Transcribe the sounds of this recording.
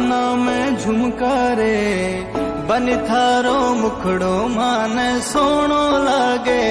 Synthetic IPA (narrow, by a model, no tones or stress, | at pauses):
naːmẽːd͡ʒʱʊmkaːɾeː | bənɪt̪ʰaːɾoːmʊkʰɽoːmãːneːsoːɳ̃oːlaːɡeː